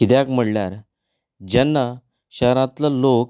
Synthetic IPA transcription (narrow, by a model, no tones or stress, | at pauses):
kid̪jakm̤əɽljaɾ | d͡ʑɛnːa | ɕaɾãt̪lalok